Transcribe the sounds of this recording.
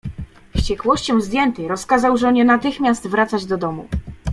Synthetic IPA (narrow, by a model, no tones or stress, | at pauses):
ɕt͡ɕɛkwɔɕt͡ɕɔ̃w̃zd̪ʲjɛnt̪ɛjɾɔskazawʐɔɲɛnat̪ɘxmʲjast̪vɾat̪sad͡ʑd̪ɔd̪ɔmṵ